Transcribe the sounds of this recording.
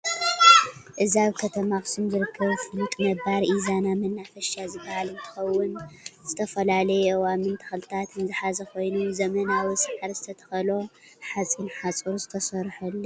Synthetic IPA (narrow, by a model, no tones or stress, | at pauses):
ʔɨziaβkʰɐt̪ʰɐmaxɨ̥sumzɨɾɨkʰːɐβfɨlut̪ʼmɐbaɾʔizanamɐnːafɐʃazɨbːɐhalɨnt̪ʰɨ̥xɐwːʊnz̥ɨt̪ʰɐfɐlalɐjɛʔwamɨnt̪ʰɐ̥xɨlɨt̪ʰat̪ɨnzɨħazɐkʰo̞jnuzɐmɐnawisʼɨʕɨɾzɨt̪ʰɐt̪ʰɐ̥xɐlo̞ | ħat͡sʼinħat͡sʼɨɾuzɨt̪ʰɐsɐɾħulːo